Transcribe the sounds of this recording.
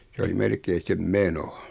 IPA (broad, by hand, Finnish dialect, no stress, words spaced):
s oli melkei sem meno